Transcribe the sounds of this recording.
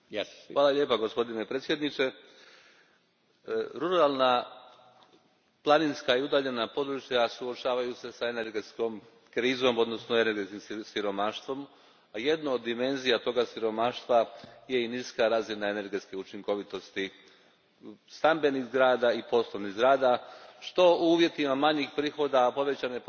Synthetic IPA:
ʋaːlˠalʎʲje̞ːpaɡospo̞d̪ine̞pɾet̪sje̞d̪nit͡ʃe̞ | ɾuɾalˠna | plˠaninskaiud̪aːʎe̞napo̞d̪ɾut͡ʃjasuot͡ʃaːʋajuse̞saene̞ɾɡe̞t̪sko̞m | kɾiːzo̞mo̞d̪no̞snoe̞ne̞ɾɡet̪kimsiɾo̞maːʃt̪ʋo̞m | aje̞d̪naod̪ːime̞nzijat̪o̞ɡasiɾo̞maːʃt̪ʋaje̞iniskaɾaːzinae̞ne̞ɾɡet̪skeut͡ʃiŋko̞ʋit̪o̞st̪i | st̪ambe̞niɣzɡɾaːd̪aipo̞slˠo̞ʋniɣzɡɾaːd̪aʃt̪o̞uuːʋje̞t̪imamaɲixpɾiːxo̞d̪apo̞ʋe̞t͡ɕanep

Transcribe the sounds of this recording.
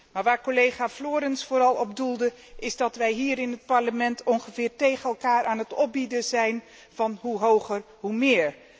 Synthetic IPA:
maːɹʋaːɹkolejχaːfloːɾɛnsfʊːɾɑlˠɔbdulˠdə | ʔɪzdɑtʋɛjɦiːɾɪnɦət̚pɑɹləmɛntʰɔnχəvɪːɹtejχənɛlˠkaːɹʔaːnətɔp̚bidəzɛjn | vɑnɦuɦowχər | ɦumɪːɹ

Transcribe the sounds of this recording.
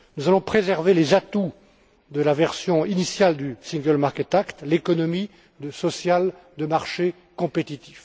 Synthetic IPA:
nuzalɔ̃pχezɛʁvelezat̪u | d̪əlavɛʁsjɔ̃inisjald̪ysĩŋɡəlmaʁkɛt̪akt̪lekɔnɔmi | d̪əsɔsjald̪əmaʁʃe | kɔ̃pet̪it̪if

